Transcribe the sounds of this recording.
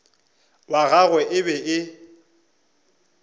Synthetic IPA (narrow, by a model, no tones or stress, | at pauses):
waɣaɣwɛʔɪbɛʔɪ